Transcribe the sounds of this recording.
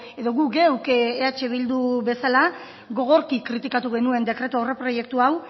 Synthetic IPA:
e̞ðo̞ɣukɡe̞wkeat͡ʃe̞β̞ild̪uβe̞sala | ɣo̞ɣ̞o̞ɾkikːɾit̪ikat̪uɣe̞nue̞nd̪e̞kɾe̞t̪uore̞pɾo̞je̞k̚t̪uaw

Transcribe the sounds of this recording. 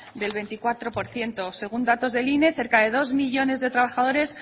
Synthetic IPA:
d̪e̞lβ̞e̞nt̪ikwat̪ɾo̞po̞ɾθje̞nt̪o̞se̞ɣ̞und̪at̪o̞zðe̞line̞θe̞ɾkaðe̞ðo̞zmiʝo̞ne̞zðe̞t̪ɾaβ̞axaðo̞ɾe̞s

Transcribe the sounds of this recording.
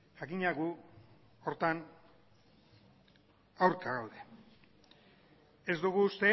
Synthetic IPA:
ʝakiɲaɣu | o̞ɾt̪an | awɾkaɣawðe̞ | ezd̪uɣ̞uːst̪e̞

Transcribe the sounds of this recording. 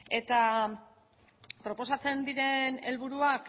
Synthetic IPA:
e̞t̪a | pɾo̞po̞sat͡se̞nd̪iɾe̞ne̞lβuɾuak

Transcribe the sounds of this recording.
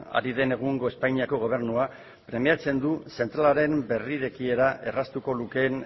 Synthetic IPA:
a̰ɾiðe̞ne̞ɣ̞uŋɡo̞e̞spajɲiako̞ɣo̞β̞e̞ɾnua | pɾe̞miat͡se̞nd̪use̞nt̪ɾalaɾe̞mbe̞riɾe̞kie̞ɾaʔe̞rast̪uko̞luke̞ːn

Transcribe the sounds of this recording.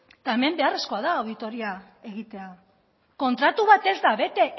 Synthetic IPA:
t̪ae̞me̞mbe̞are̞sko̞aðaːwðit̪o̞ɾia | e̞ɣit̪e̞a | ko̞nt̪ɾat̪uβat̪e̞zd̪aβe̞t̪e̞

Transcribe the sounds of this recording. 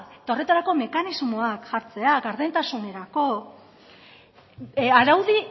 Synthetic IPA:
t̪aore̞t̪aɾako̞me̞kanizmo̞akʝaɾt͡se̞aɣaɾðe̞nt̪asune̞ɾako̞ | aɾawði

